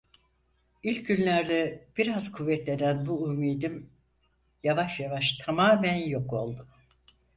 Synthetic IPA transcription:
ilʲcɟynlʲæɾd̪ʲɛb̥iɾazkʰuvːɛt̪lʲe̞d̪ænbuumiːd̪im | javaʃjavaʃt̪ʰamaːmænjo̞ko̞lˠd̪ʊ

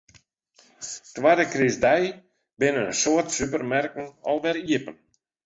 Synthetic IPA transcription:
twadəkrɪzdɛj | bɪnənsoətsypərmɛrkn̩ɔlˠʋɛɾiəpən

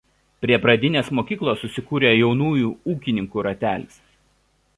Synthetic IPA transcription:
pʲɾʲiɛpɾɐd̪ʲɪnʲeːsmoːkʲiːklˠoːsːʊsʲɪkuːɾʲeːjɛʊnuːjuːuːkʲɪnʲɪŋkuːɾɐt̪ʲæːlʲɪs

